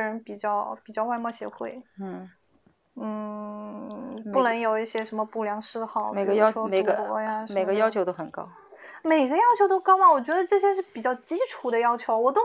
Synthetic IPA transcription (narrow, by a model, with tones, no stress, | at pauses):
ɻə˧˥npi˨˩t͡ɕjɑ˥˧ʊpi˨˩t͡ɕjɑ˥˧ʊwa˥˧mwɔ˥˩ɕjɛ̰˧˥xwe˥˩ɪn̩˥˩ | n̩˥˩ | pu˥˩nɤ˧˥ŋjo˨˩ʊi˥˩ɕjɛ˥ʂə˧˥nmə˧pu˥˩ljɑ˧˥ŋʂɻ̩˥˧xɑ˥˩ʊme˨˩ɪɡə˧jʊ˥me˨˩ɪɡə˧˥a˥˧me˨˩ɪɡə˦jɑ˥ʊt͡ɕʰo˧˥t̪o˥ʊxə˨˩nkɑ̰˥ʊ | me˨˩ɪɡə˦jɑ˥ʊt͡ɕʰjo˧˥ʊt̪o˥ʊkɑ˥ʊla˩wɔ˨˩t͡ɕɥɛ˧˥d̪ə˧ʈ͡ʂɤ˥˩ɕjɛ˥ʂɻ̩˥˩pi˨˩t͡ɕjɑ˥˩ʊt͡ɕi˥ʈ͡ʂʰu˧˩d̪ə˧jɑ˥ʊt͡ɕʰjo˧˥ʊwɔ˨˩t̪̬o˥